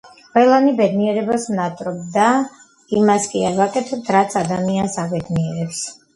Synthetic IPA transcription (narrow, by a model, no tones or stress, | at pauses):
qʼwɛlˠanibɛd̪niɛɾɛbasnat̪ʼɾɔbd̪a | imaskʼiaɾvakʼɛt̪ʰɛp̚t̪ʰɾat̪sʰad̪amiansabɛd̪niɛɾɛps